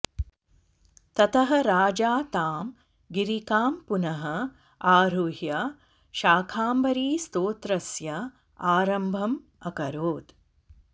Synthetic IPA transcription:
t̪ɐt̪ɐɦɐ̆ɾaːd͡ʒaːt̪aːm | ɡiɾikaːmpunɐɦɐ | aːɾuɦjɐ | ʃaːkʰaːmbɐɾiːst̪oːt̪ɾɐsjɐ | aːɾɐmbʱɐm | ɐkɐɾoːd̪

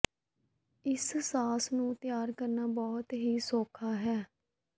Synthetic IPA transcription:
ɪssaːsnũːt̪jaːɾkəɾnaːbɔːt̪ɦiːsoːkʰaːɦɛː

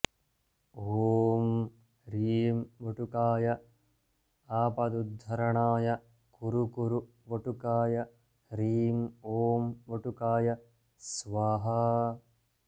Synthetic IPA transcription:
oːm | ɾiːmʋoʈukaːjɐ | aːpɐd̪ud̪ʱːɐɾɐɳaːjɐ | kuɾukuɾu | ʋoʈukaːjɐ | ɾiːmoːmʋoʈukaːjɐ | sʋaːɦɐ

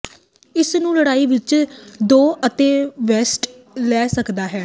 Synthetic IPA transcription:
ɪsnũːləɽaːiːʋɪt͡ʃd̪oːʔət̪eːʋɛːsʈ | lɛːsəkd̪aːɦɛː

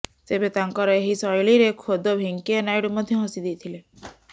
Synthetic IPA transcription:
t̪ebet̪aŋkɔɾɔeɦisɔjɭiɾekʰod̪ɔbʱiŋkiɔnajɽɔmɔd̪ʱjɔɦɔ̃sid̪ijt̪ʰile

